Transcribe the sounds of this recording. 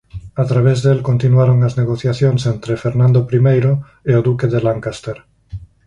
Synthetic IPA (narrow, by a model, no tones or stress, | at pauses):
at̪ɾaβ̞ezðelkont̪inwaɾoŋazneɣoθjaθjoŋsent̪ɾefeɾnãnd̪opɾimejɾo | eoðukeðelaŋkast̪eɾ